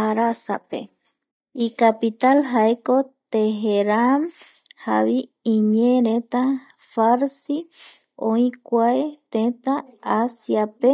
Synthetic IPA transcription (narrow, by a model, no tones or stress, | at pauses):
aɾasape̞̰ | ikapit̪alɦaekot̪eɦeɾam | haβi | ĩɲẽɾẽt̪a | faɾsi | õĩkʷaet̪ẽt̪aasjape